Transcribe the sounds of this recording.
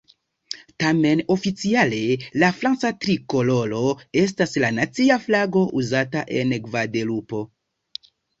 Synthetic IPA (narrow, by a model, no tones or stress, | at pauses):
tame̞no̞fit͡siale̞lafɾant͡satɾiko̞lo̞lo̞e̞s̬taslanat͡siaflaɡo̞ʔuzataʔe̞nkvade̞lupo̞